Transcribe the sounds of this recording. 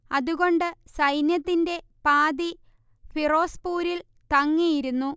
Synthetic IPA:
ɐðuɣo̞ɳɖɨsɐjnjɐt̪ːinde̞ | paːði | fʰiro̞ːspuːɾil | t̪ɐŋːijiɾunːu

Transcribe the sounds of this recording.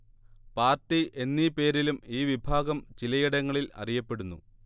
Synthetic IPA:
paːrtiʔe̞nːipe̞ːɾilumiːʋibʱaːɣɐmt͡ɕilɐjiɽɐŋːɐɭilɐ̰rijɐpːe̞ɽunːṵ

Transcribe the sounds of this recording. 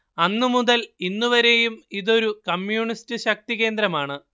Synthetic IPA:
ɐnːɨmuðɐlinːuʋɐɾe̞jumiðo̞ɾukɐmjuːɳistɨɕɐk̚t̪iɣe̞ːnd̪ɾɐmaːɳɨ

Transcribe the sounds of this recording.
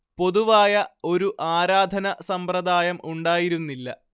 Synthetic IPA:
po̞ðuʋaːjɐo̞ɾuʔaːɾaːd̪ʱɐnɐsɐmprɐd̪ʱaːjɐmuɳɖaːjiɾunːilːɐ̰

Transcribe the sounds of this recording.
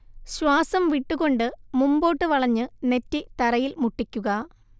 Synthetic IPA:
ɕwaːsɐmʋiʈːuɣo̞ɳɖɨmumbo̞ːʈːɨʋɐɭɐɲːɨne̞tːit̪ɐɾɐjilmuʈːikʲːuɣɐ

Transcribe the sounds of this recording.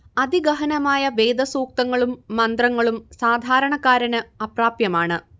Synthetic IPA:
ɐd̪iɡɐɦɐnɐmaːjɐʋe̞ːd̪ɐsuːk̚t̪ɐŋːɐɭumːɐnd̪rɐŋːɐɭumsaːd̪ʱaːɾɐɳɐkːaːɾɐnɨɐpraːpjɐmaːɳɨ

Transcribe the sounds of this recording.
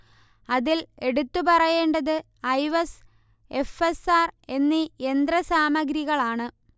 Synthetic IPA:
ɐðile̞ɽut̪ːupɐrɐje̞ːɳɖɐðɨ | ɐjʋɐs | e̞fesaːre̞nːiend̪ɾɐsaːmɐɡɾiɣɐɭaːɳɨ

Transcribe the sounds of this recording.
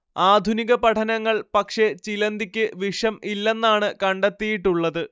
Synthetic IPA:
aːd̪ʱuniɣɐpɐʈʰɐnɐŋːɐɭpɐkʂe̞t͡ɕilɐnd̪ikʲːɨʋiʂɐmilːe̞nːaːɳɨkɐɳɖet̪ːijiʈːuɭːɐðɨ

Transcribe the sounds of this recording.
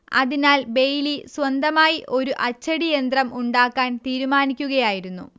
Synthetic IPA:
ɐ̰ðinaːlbe̞jliswɐnd̪ɐmaːjiʔʔo̞ɾuʔɐt͡ɕːɐɽijend̪rɐmʔuɳɖaːkːaːnt̪iːɾumaːnikʲːuɣɐjaːjiɾunːṵ

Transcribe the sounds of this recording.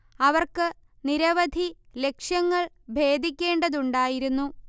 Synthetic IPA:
ɐʋɐrkɨ | niɾɐʋɐd̪ʱi | le̞kʂjɐŋːɐɭ | bʱe̞ːd̪ʱikʲːe̞ːɳɖɐðuɳɖaːjiɾunːu

